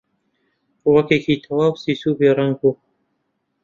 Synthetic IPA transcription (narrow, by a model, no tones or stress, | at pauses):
wɐkeːkit̪ʰɐwaːwsiːsuːbeːɾɐŋɡu